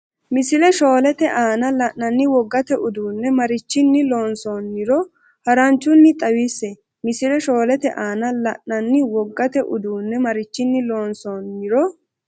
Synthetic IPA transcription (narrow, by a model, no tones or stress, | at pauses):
mɪsɪlɛʃo̞ːlɛt̪ɛʔaːnɐlɐʔnɐnːɪwɔɡːɐt̪ɛʔʊd̪uːnːɛmɐɾɪt͡ʃːɪnːɪlo̞ːnsonːɪɾɔ | hɐɾɐnt͡ʃːʊnːɪt̪ʼɐwisːɛ | mɪsɪlɛʃo̞ːlɛt̪ɛ̰ʔaːnɐlɐʔːɐnːɪwɔɡːɐt̪ɛʔʊd̪uːnːɛmɐɾɪt͡ʃːɪnːɪlo̞ːnsonːɪɾɔ